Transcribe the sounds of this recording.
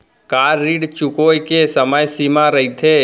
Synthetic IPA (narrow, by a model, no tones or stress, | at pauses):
kaːɾːiɖt͡ʃʊkojkesəməjsimãɾəit̪ʰe